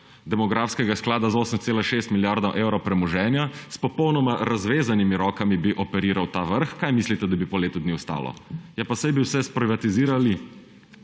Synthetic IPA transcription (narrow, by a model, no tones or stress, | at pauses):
d̪ɛmɔɡɾafskɛɡasklaːd̪azoːsəmt̪seːlaʃest̪miljaɾd̪aʔewɾopɾɛmɔʒɛːnjaspɔpɔwnɔmaɾazʋeːzanimiɾɔːkamibiʔɔpɛɾiːɾawt̪aːʋəɾxkajmislit̪ɛd̪abipɔleːt̪ud̪niwst̪a̰ːlɔ̰jɛpasajbiwsɛspɾiʋat̪iziːɾali